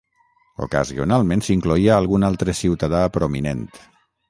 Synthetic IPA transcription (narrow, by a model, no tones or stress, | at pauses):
o̰ka̰zio̰nalˠmẽnsiŋkluiaːlˠɣunalˠt̪ɾəsiwt̪aðapɾominent̪